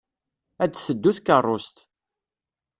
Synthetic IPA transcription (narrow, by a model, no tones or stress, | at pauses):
æd̪θəd̪ːuθkərˤːʊst̪